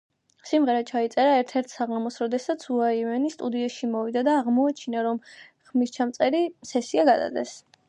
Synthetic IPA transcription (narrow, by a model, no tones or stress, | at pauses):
simʁɛɾat͡ʃʰait̪sʼɛɾaɛɾt̪ʰɛɾt̪ʰsaʁamɔsɾɔd̪ɛsat̪sʰuaivɛnist̪ʼud̪iɛʃimɔvid̪ad̪aːʁmɔat͡ʃʰinaɾɔmχmist͡ʃʰamt̪sʼɛɾisɛsiaɡad̪a̰d̪ɛs